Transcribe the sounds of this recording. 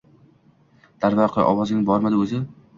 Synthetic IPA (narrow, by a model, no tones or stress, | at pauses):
d̪̥aɾvaɾqʰʔɒ̰wɒzɪŋbɒɾmad̪ɪɵzɪ